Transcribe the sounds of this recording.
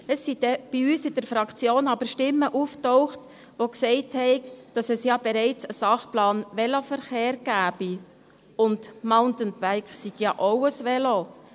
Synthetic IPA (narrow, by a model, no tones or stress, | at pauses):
əsːidɛb̥iyːsɪdəɾfɾɑkt͡sjoːnɑbəɾʃtɪmːəʔuftoʊχt | ʋoksɛɪthɛɪɡd̥ɑsɛsjɑːbɛɾɛɪt͡səsɑχplɑːnʋɛlofəɾχeːɾɡ̥æːbi | ʊndmaʊntənbæɪksiɡ̥jɑːʔoʊəsʋɛlo